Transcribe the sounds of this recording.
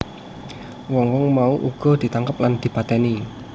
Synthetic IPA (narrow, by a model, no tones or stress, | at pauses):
wɔŋwɔŋmauʔuɡ̥ɔ̤d̪̥i̤t̪aŋkəp̚land̪̥i̤pat̪ɛni